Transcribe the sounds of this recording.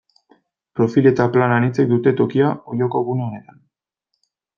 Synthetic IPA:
pɾo̞file̞t̪aplananit͡se̞k̚d̪ut̪e̞t̪o̞kiaojo̞ko̞ɣuneone̞t̪an

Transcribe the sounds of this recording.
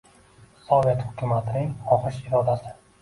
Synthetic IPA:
sɒve̞t̪hʊkʲʰʊmat̪ʰɪnɪŋɒχɨʃɪɾɒd̪asɪ

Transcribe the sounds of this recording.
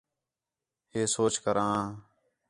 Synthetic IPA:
ɦeːsoːt͡ʃkəɾãː

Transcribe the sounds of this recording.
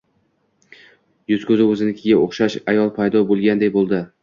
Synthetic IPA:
jʊz̥kʲʰɵzɪɵzɪnɪkʲʰɪɡʲaoχʃaʃajɒlˠpʰajd̪ɒbolˠɡʲand̪ejbolˠd̪ɪ

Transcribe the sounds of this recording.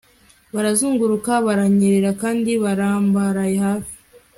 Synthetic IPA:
βaɾazuːŋɡuɾukaβaɾaɲeɾeɾakaːndiβaɾaːmbaɾajehaːfi̥

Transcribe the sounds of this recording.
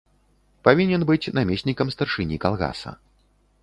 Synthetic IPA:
pavʲinʲɛnbɨt͡sʲnamʲesʲnʲikɐmst̪ɐrʂɨnʲikalˠɣa̰sɐ̰

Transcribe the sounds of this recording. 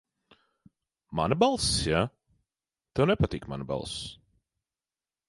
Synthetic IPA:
ma̰nɨbalˠssja | t̪ɛwnɛpat̪iːkma̰nɪba̰lˠs

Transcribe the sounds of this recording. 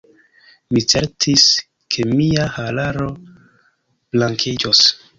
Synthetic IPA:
mit͡se̞ɾtʰis | kʰe̞miahalaɾo̞ | b̥laŋkʰid͡ʒos

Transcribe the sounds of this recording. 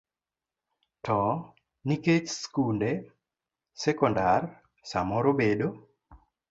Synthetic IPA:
tɔ | niket͡ʃskunde | sɛkɔndar | samɔɾobedo

